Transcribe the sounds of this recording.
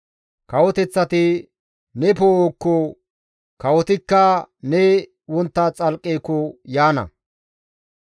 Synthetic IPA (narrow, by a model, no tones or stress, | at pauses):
kɐwɔt̪ɛt͡sːɐt̪ɪ | nɛpoːokːɔ | kɐwɔt̪ɪkːɐnɛ | wɔnt̪ːat͡sʼɐlkʼːeːkːɔjaːnɐ̰